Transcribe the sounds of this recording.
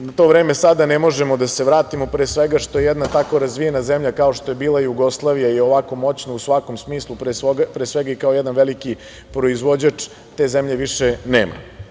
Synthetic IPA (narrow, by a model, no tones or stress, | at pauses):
nat̪o̞ʋɾeːmesad̪anemo̞ʒemod̪ase̞ʋɾaːt̪imo̞pɾeːsʋeɡaʃt̪oje̞jɛd̪nat̪ako̞ɾazʋie̞nazemʎakao̞ʃt̪o̞je̞biːlˠaijuɡo̞slˠaʋijaio̞ʋako̞mo̞t͡ɕnousʋako̞msmiːslˠupɾesoɡapɾesʋeɡaikaojed̪anʋeliki | pɾo̞izʋo̞d͡ʑat͡ʂ | t̪e̞ːzemʎe̞ʋiʂeneːma̰